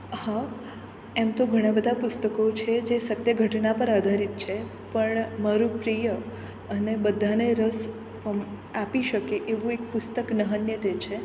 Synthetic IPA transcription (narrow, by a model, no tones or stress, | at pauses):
hã | emt̪oɡʱəɽ̃abəd̪ʱapʊst̪əkot͡ʃʰed͡ʒesət̪jəɡʱəʈnapəɾad̪ʱaɾit̪̚t͡ʃʰe | pəɳmaɾũpɾijə | ənebəd̪ʱːaneɾəs | apiʃəkeʔeʋũek̚pʊst̪əknəɦənjət̪et͡ʃʰe